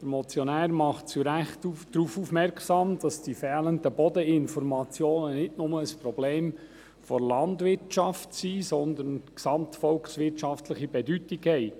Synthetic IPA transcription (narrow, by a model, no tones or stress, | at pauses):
d̥əɾmɔt͡sjɔnæːɾmɑχtt͡suɾæχtud̥ɾuːfufmɛɾkχsɑmd̥ɑsd̥ifɛːləndəbɔdəɪnfɔɾmɑt͡sjoːnənɪtnʊməəspɾɔbleːm | fɔɾlɑnd̪ʋɪɾtt͡ʃɑftsiːsɔnd̪ənksɑmtfɔlksʋɪtʃɑftləχibɛdytɪɡhɛɪ